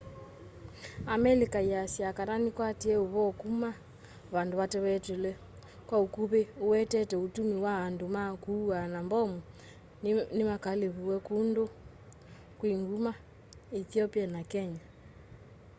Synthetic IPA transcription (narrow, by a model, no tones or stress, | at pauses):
amɛlikaiasiakaɾanikwatiɛoβɔkuma | βandoβatɛwɛtulɛ | kwaukuβeowɛtɛtɛutumiwaandomakuanambɔmu | nimakaleβuwɛkundo | kwiŋɡuma | iθiɔpianakɛɲa